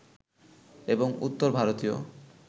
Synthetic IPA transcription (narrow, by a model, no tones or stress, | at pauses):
eboŋṵt̪ːoɾbʱaɾot̪ijo̰